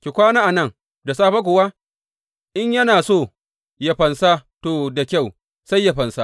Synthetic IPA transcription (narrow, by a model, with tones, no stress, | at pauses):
kʲi˨kʷaː˦naː˦ʔa˨nɐ˦˨ŋ | da˨saː˦ɸa˦k̬ʷʊ˨wa˦ | ʔɪ˦ɲjɐ˦naː˨soː˦˨ | ja˦ɸɐ˨nsa˦toː˨da˨kʲa˦˨w | sa˦jːa˦ɸɐ˨nsa˦